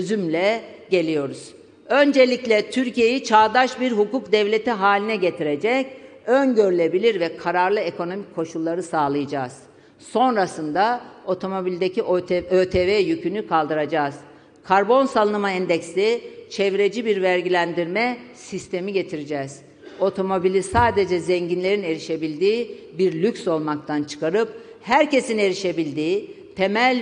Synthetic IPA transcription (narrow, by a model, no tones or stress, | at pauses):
øzymlʲɛɟe̞lʲijo̞ɾuz̥ | ø̞nd͡ʒe̞lʲiclʲɛt̪ʰyɾcije̞jit͡ʃʰaːd̪aʃbiɾɦukukd̪ɛvlʲe̞t̪ʰiɦaːlʲinɛɟe̞t̪ʰiɾe̞d͡ʒɛcønɟøɾylʲe̞bilʲiɾvɛkʰaɾaɾlˠɯeko̞no̞micʰːo̞ʃulˠːaɾɯsaːlˠɯjad͡ʒaːz̥ | so̞nɾasɯnd̪ao̞t̪ʰo̞mo̞bilʲd̪eciʔøːt̪ʰevɛːjycʰynykʰalˠd̪ɯɾad͡ʒaːz̥ | kʰaɾbo̞nsalˠɯnɯmaɛnd̪ɛcsit͡ʃʰɛvɾe̞d͡ʒibiɾvæɾɟilʲænd̪iɾmɛsist̪ʰe̞miɟe̞t̪ʰiɾid͡ʒɛz̥ | o̞t̪ʰo̞mo̞bilʲisaːd̪e̞d͡ʒɛzɛɲɟinlʲe̞ɾine̞ɾiʃe̞bilʲd̪iːbiɾlʲycʲso̞lˠmak̚t̪ʰant͡ʃʰɯ̥kʰaɾɯp̚ | hæɾce̞sine̞ɾiʃe̞bilʲd̪iːt̪ʰe̞mælʲ